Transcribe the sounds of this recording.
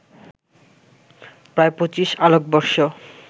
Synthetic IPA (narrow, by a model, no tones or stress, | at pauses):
pɾaepot͡ɕiʃalok̚bɔɾʃo